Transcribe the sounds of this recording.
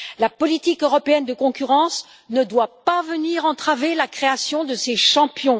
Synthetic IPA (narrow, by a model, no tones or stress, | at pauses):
lapɔlit̪ikøʁɔpeɛnd̪əkɔ̃kʲyʁɑ̃s | nəd̪wapavəniʁɑ̃t̪χavelakχeasjɔ̃d̪əseʃɑ̃pjɔ̃